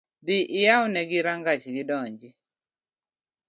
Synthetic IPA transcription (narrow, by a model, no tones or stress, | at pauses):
d̪ɪʔɪjawnɛɡɪɾaŋɡat͡ʃɡɪdɔɲd͡ʒi